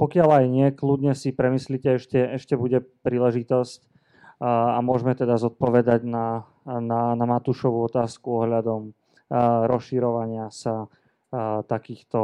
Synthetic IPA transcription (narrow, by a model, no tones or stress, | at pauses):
pɔkɪalajɲɪɛklud̪ɲɛsipɾɛmislicɛɛʃcɛɛʃcɛbuɟɛpɾiːlɛʒit̪ɔsc | amʊɔʒmɛt̪ɛd̪azɔt̪̚pɔʋɛd̪aɟna | nanamat̪uʃɔʋuɔt̪aːskuɔɦʎad̪ɔm | ɾɔsʃiɾɔʋaɲɪasa | t̪akiːxt̪ɔ